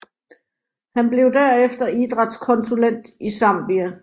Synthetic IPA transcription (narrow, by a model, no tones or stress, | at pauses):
hænb̥le̝ʊd̥æɐ̰efd̥ɐid̥ʁɑ̈d̥skʰɒ̽nsulen̰d̥isɑ̈m̰b̥iæ